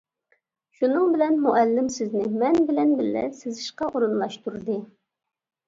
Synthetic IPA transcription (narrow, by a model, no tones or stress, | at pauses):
ʃunɨŋbɪlɛnmuʔɛlːɪmsɪznɪmɛnbɪlɛnbɪlːɛ̰sɪzɪʃqɑʔoɾɨnlˠɑʃt̪uɾd̪ɨ